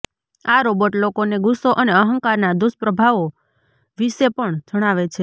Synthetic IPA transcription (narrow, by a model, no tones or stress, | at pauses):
aɾobəʈlokoneɡusoʔəneəɦəŋkaɾnad̪ʊspɾəbʱaʋo | ʋiʃepəɳd͡ʒʱəɽ̃aʋet͡ʃʰe